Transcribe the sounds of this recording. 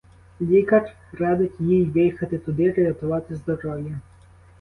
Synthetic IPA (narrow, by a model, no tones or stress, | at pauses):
lʲikɐr | ɾɑd̪ɪtʲjijʋɪjxɐt̪ɪt̪ʊd̪ɪɾɐɾʲɐt̪ʊʋɑt̪ɪzd̪ɔɾɔji